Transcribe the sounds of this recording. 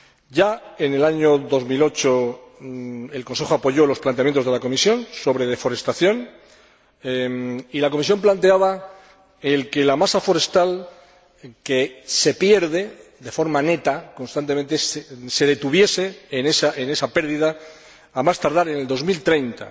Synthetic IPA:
ɟ͡ʝae̞ne̞laɲoðo̞zmilo̞t͡ʃo̞ | e̞lko̞nse̞xoapo̞ʝo̞lo̞splant̪eamje̞nt̪oðelako̞misjo̞nso̞βɾe̞ð̞e̞fo̞ɾe̞st̪aθjo̞n | ilako̞mis̬jo̞mplant̪e̞aβa | elke̞lamasafo̞ɾe̞st̪al | kese̞pje̞ɾðe̞ðe̞fo̞ɾmane̞t̪ako̞nst̪ant̪e̞mẽnt̪esse̞ðe̞t̪uβje̞se̞ːnesaʔene̞sape̞ɾðiðaː | mast̪aɾðaɾe̞neld̪o̞zmilt̪ɾe̞jnt̪a̰

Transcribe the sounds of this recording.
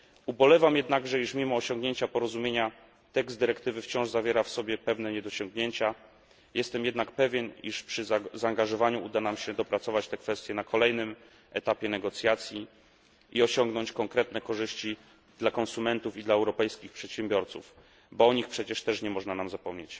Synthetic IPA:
ubɔlɛvamjɛd̪naɡʐɛiʂmʲimɔːɕɔ̃ŋɡɲeɲt͡ɕapɔɾɔzumʲjeɲa | t̪ɛɡzd̪ɘɾɛkt̪ɘvɘft͡ɕɔ̃w̃ʐzavʲjɛɾafsɔbʲjɛpɛvn̪ɛɲɛd̪ɔɕɔŋɡɲeɲt͡ɕa | jɛst̪ɛmjɛd̪nakpɛvʲjɛniʂpʂɘzaːŋɡaʐɔvaɲuud̪anamɕɛd̪ɔpɾat̪sɔvat͡ɕt̪ɛkfɛst̪jɛnakʰɔlɛjnɘm | ɛt̪apʲjɛnɛɡɔt̪sʲjat̪sʲji | ʔiɔɕɔŋɡnɔɲt͡ɕkɔŋkɾɛt̪nɛkɔʐɘɕt͡ɕi | d̪̥lakɔnsumɛnt̪ufid̪laɛwɾɔpɛjskʲixpʂɛt̪ɕɛmbʲjɔɾt̪sṵf | bɔɔɲixpʂɛt͡ɕɛʂt̪ɛʂɲɛmɔʐnanamzapɔmɲet͡ɕ

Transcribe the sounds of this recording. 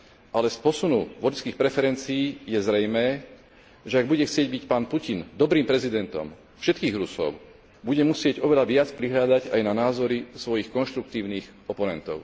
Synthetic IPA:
ʔalɛspɔsunuʋɔʎskiːxpɾɛfɛɾɛnt͡sijiːjɛzɾɛjmɛː | ʒɛaɡbuɟɛxt͡sɪɛɟ̚bicpaːnpucind̪ɔbɾiːmpɾɛzid̪ɛnt̪ɔ̰m | fʃɛt̪kiːɣɾusɔ̰ʊ | buɟɛmusɪɛɟɔʋɛʎaʋɪat͡spɾiɦlʎad̪aɟajnanaːzɔɾisʋɔjixkɔnʃt̪ɾuk̚t̪iːʊniːxɔpɔnɛnt̪ɔ̰ʊ

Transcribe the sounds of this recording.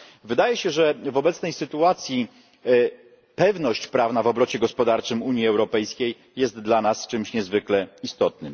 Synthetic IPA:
vɘd̪ajɛɕɛʐɛvɔbɛt̪snɛjsɘt̪uat̪sʲji | pɛvnɔɕt͡ɕpɾavn̪avɔbɾɔt͡ɕɛɡɔspɔd̪aɾt͡ʂɘmuɲjiɛwɾɔpɛjskʲejːɛst̪d̪lanast͡ʂɘmɕɲɛzvɘklɛist̪ɔt̪̚nɘm

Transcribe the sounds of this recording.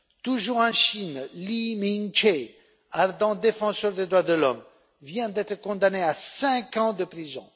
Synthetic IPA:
t̪uʒuʁɑ̃ʃinlimiŋt͡ʃe | aʁd̪ɑ̃d̪efɑ̃sœʁd̪ed̪ʁwad̪əlɔm | vjɛ̃d̪ɛt̪χəkɔ̃d̪aneasɛ̃kɑ̃d̪əpχizɔ̰̃

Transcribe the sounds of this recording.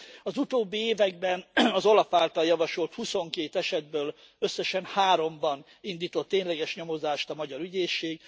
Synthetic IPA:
ɒzut̪oːbːieːvɛɡ̚bɛnɒzo̞lɒfaːlt̪ɒljɒvɒʃo̞lt̪huso̞ŋkeːt̪ɛʃɛd̪̚bøːl | ø̞sːɛʃɛnhaːɾo̞mbɒn | ind̪iːt̪o̞t̪ːeːɲlɛɡɛʃɲo̞mo̞zaːʃt̪ɒmɒɟɒɾyɟeːʃːeːɡ

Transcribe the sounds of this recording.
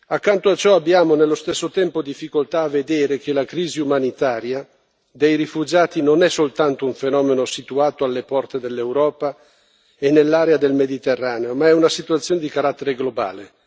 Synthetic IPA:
akːant̪oat͡ʃɔabːjaːmonelːost̪esːot̪ɛmpod̪ifːikolt̪aːvːed̪eːɾek̟elakɾiːziumanit̪aːɾja | d̪ejɾifud͡ʒaːt̪inonɛsolt̪ant̪ouɱfenɔːmenosit̪uaːt̪oalːepɔrt̪ed̪elːewɾɔːpa | enːelːaːɾead̪elmed̪it̪erːaːneomaɛunasit̪uat̪sjoːned̪ikaɾat̪ːeɾeɡloba̰ːle

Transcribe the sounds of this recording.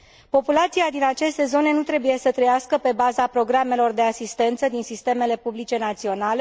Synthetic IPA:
po̞pulat̪siad̪inat͡ʃe̞st̪e̞zo̞ne̞nut̪ɾe̞buje̞sət̪ɾəjaskəpe̞bazapɾo̞ɡɾame̞lo̞rd̪e̞asist̪e̞nt̪səd̪insist̪e̞me̞le̞publit͡ʃe̞nat̪sio̞nale

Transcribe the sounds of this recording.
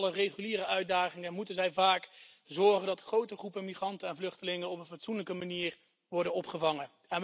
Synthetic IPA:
lərejχyliːɾəœɥdaːχɪŋɛnmutənzɛjvaːk | zɔɹχəndɑtχrowtəχrupənmiχrɑntənɛnvlɵχtəlɪŋənɔpənvɑtsunləkəmaniːr | ʋɔɹdənɔpχəvɑŋə | ɛn

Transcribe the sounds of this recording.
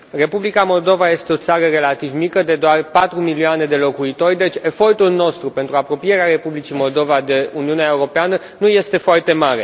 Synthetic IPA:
re̞publikamo̞ld̪o̞vaje̞st̪e̞o̞t̪saɾəre̞lat̪ivmikəd̪e̞d̪oarpat̪ɾumilioane̞d̪e̞lo̞kuit̪o̞rʲd̪e̞t͡ʃʲe̞fo̞rt̪ulno̞st̪ɾupe̞nt̪ɾuapɾo̞pije̞ɾeaɾe̞publit͡ʃimo̞ld̪o̞vad̪e̞uniuneaeuɾo̞peanə | nuje̞st̪e̞foart̪e̞maɾe̞

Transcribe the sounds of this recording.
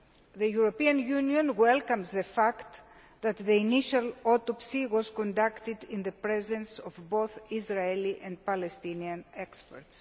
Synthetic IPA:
ðejuɾopiɐ̃njuniõnwelkɐmzðefakt̪ | ðɐt̪ðiiniʃɐlot̪opsiwozkõnd̪akt̪id̪ĩnðepɾezẽnsovbowθizɾaeliʔẽnd̪̚palest̪iniɐ̃nekspeɾt̪s

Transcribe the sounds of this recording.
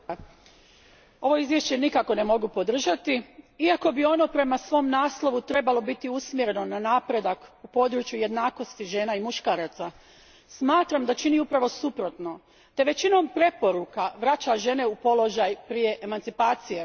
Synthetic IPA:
o̞ʋo̞izʋje̞ʃt͡ɕe̞nikako̞ne̞mo̞ɡupo̞d̪r̩ʒat̪iiako̞bio̞no̞pɾe̞masʋo̞ːmnaːslo̞ʋut̪ɾe̞balo̞bit̪iusmjeɾe̞no̞nanaːpɾe̞d̪akupo̞ːd̪ɾut͡ʃjuje̞d̪naːko̞st̪iʒe̞ːnaimuʃkaːɾat̪sa | smaːt̪ɾamd̪at͡ʃiniupɾaʋo̞supɾo̞t̪no̞ | t̪e̞ʋe̞t͡ɕino̞mpɾe̞po̞ɾukaʋɾat͡ɕaʒe̞ne̞upo̞lo̞ʒajpɾije̞ʔemant̪sipaːt̪sije

